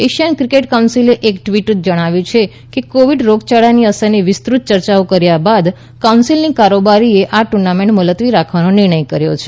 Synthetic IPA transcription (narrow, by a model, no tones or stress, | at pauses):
eʃijənkɾikeʈkawnsileʔekʈʋiʈ̪̚d͡ʒəɽ̃aʋjũt͡ʃʰe | kekoʋiɖɾoɡt͡ʃaɭaniəsəɾniʋɪst̪ɾut̪̚t͡ʃəɾt͡ʃaokəɾjabad̪ | kawnsilnikaɾobaɾieʔaʈuɾnamẽɳʈmələt̪ʋiɾakʰʋanonɪɾɳ̃əjkəɾjo̰t͡ʃʰe̥